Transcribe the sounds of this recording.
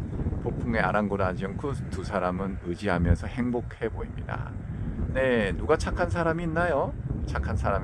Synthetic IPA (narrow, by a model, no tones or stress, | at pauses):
popʰuŋe̞a̰ɾanɡoɾad͡ʑʌnkʰɯtusʰaɾamɯnɯd͡ʑiɦamjʌnsʰʌhe̞ŋbokʰe̞boimɲḭda̰ne̞nuɡat͡ɕʰakʰans̬ʰaɾamiːnːajot͡ɕʰakʰansʰaɾam